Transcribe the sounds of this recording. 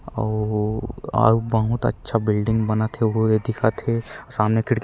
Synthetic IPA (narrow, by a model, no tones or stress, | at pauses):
ɔ | a̰ːbɐɦut̪ɐ̰tːʃʰabɪlɖɪ̃ŋɡbɐnat̪ʰeojed̪ɪkʰat̪ʰesaːmnekʰɪɽk